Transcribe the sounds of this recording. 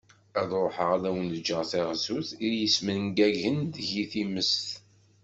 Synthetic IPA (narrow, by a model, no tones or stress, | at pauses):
æðɾˤoħəʁæðæwənəd͡ʒəʁθeʁsuθijəsmənŋɡæʝənd̪əʝiθiməst̪